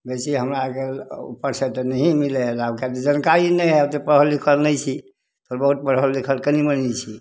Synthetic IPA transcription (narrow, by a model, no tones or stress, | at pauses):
besiɦəmɾakeṵpːəɾsət̪enəɦĩmileɦlabkat̪ed͡ʒənkaɾinɛjɦət̪epɾəɦəlːikʰəlnɛjt͡ʃʰi | t̪oːɾbəɦut̪̚pɾəɦəlːikʰəlkənimənnit͡ʃʰi